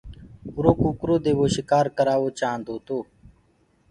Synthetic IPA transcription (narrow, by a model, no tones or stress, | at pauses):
ʊɾoːkuːkɾoːd̪eːʋoːʃɪkaːɾkəɾaːʋoːt͡ʃãːnd̪ʱoːt̪oː